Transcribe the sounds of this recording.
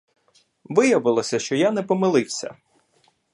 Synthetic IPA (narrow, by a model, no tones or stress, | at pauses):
ʋɪjɐʋɪlˠɔsʲɐʃt͡ʃɔjanɛpɔmɪlˠɪwsʲɐ̰